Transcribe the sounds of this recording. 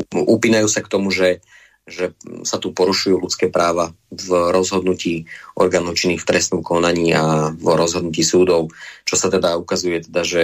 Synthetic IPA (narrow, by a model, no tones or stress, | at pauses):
upiːnajuːsakt̪ɔmuʒɛ | ʒɛsat̪upɔɾuʃujuːlut͡skɛːpɾaːʋa | vɾɔzɦɔd̪nuciːʔɔ̰ɾɡaːnɔʊt͡ʃinːiːxft̪ɾɛsnɔmkɔnaɲiːavɾɔzɦɔd̪̚nuciːsuːd̪ɔʊt͡ʃɔsat̪ɛd̪aukazujɛt̪ɛd̪aʒɛ